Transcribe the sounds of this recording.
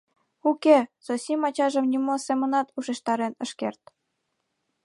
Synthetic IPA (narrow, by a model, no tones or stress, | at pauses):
ukesosimɑt͡ɕɑʒə̆mnimosemə̆nɑt̪uʃeʃt̪ɑɾenə̆ʃkḛrt̪̚